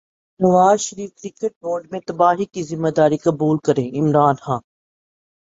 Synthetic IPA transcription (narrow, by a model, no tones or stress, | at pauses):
nɐʋaːzʃəɾiːfkɾɪkəʈ̚boːɾɖmẽt̪ɐbaːɦikizɪmːad̪aːɾikɐbuːlkɐɾẽːɪmɾaːnxãːn